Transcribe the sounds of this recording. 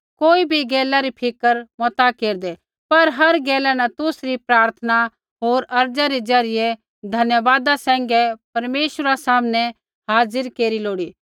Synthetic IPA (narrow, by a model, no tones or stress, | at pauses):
koːibʱiɡɛːlaɾipʰɪkəɾmɔt̪akeːɾd̪ɛ | pɐɾɦɐɾɡɛːlɛnɛt̪ʊsɾipɾaːɾt̪ʰəna | ɦoːɾɐɾd͡ʒaɾid͡ʒɐɾɪjɛ | d̪ʱɐnjəʋaːd̪asɛ̃ːŋ̆ɡɛpɐɾmeːʃɾasaːmnɛ | ɦaːzəɾkeːɾiloːɽiː